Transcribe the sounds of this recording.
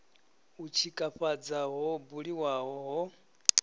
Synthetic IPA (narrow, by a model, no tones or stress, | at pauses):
ut͡ʃʰikʼaɸad͡zaɦɔbuɺiwaɦɔɦɔ